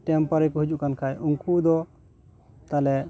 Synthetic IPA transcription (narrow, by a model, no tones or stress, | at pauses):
ʈɛmpaɾikuɦud͡ʒuʔkankʰajʔuŋkud̪ɔ | t̪alɛ